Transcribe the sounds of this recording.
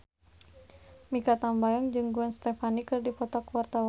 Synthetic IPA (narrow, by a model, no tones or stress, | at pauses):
mikat̪ambajɔŋd͡ʒɨŋɡuɛnst̪ɛfanikɨrdipɔt̪ɔkwart̪awa